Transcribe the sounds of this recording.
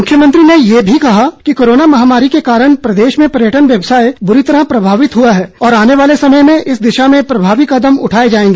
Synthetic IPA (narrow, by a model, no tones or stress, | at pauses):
mʊkʰjəmə̃nt̪ɾinejeːbʱikɐɦakikoːɾoːnamɐɦaːmaːɾikekaːɾəɽ̃pɾɐd̪eːʃmẽpɐɾjəʈənʋjɐbsaːebʊɾit̪ɐɾapɾɐbʱaːʋɪt̪ɦuaɦɛːɔːɾaːneʋaːlesɐməjmẽʔɪsd̪ɪʃamẽpɾɐbʱaːʋɪkɐd̪əmʊ̰ʈʰaːed͡ʒaːẽːŋɡeː